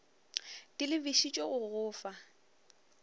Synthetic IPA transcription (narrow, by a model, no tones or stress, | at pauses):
tʼɪlɪbiʃit͡ʃʼɔɣʊɣʊːfa